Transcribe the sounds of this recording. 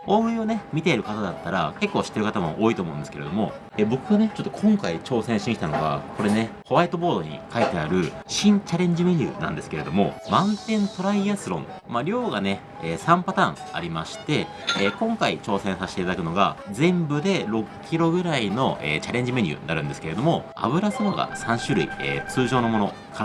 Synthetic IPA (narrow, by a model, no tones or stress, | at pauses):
o̞ːɯ̟ĩo̞ne̞mʲit̪e̞ɾɯ̟kat̪ad̪at̪ːaɾake̞kːo̞ːɕi̥t̪ːeɾɯ̟kat̪amo̞ʔoːit̪oːmo̞ɯ̃nd̪esɨ̥ke̞ɾd̪o̞mo̞̰ | eːbo̞kɯ̟ɡane̞t͡ɕo̞t̪ːokʰõ̞ŋkait͡ɕo̞ːsẽ̞ɰ̃ɕĩɕi̥t̪ano̞ɡa̰ko̞ɾe̞ne̞ko̞βait̪o̞bo̞ːd̪o̞ɲ̟ḭkait̪e̞aɾɯ̟ɕĩɲt͡ɕaɾẽ̞ɲ̟d͡ʑime̞ɲ̟ɯ̰ːnã̰nd̪e̞sɨ̥ke̞ɾe̞d̪o̞mo̞̰mãnt̪ẽ̞nt̪o̞ɾaiasɨɾõ̞̰ŋ | maɾʲo̞ːɡane̞ | eːsãmpat̪ãŋa̰ɾʲimaɕi̥t̪e̞ | eːkõ̞ŋkait͡ɕo̞ːsẽ̞ɰ̃saɕit̪eit̪ad̪akɯ̟no̞ɡad͡zẽ̞mbɯ̟d̪e̞ɾo̞kkʲiɾo̞ɡɯ̟ɾaino̞ʔḛːt͡ɕaɾẽ̞ɲ̟d͡ʑime̞ɲ̟ɯ̰ːnaɾɯ̟̃nd̪e̞sɨ̥kee̞d̪o̞mo̞ | a̰βɯ̟ɾasɨɾoɡa̰sãɰ̃ɕɨɾɯ̟̰ḭḛːt͡sɨːʑo̞ːno̞mo̞no̞ | ka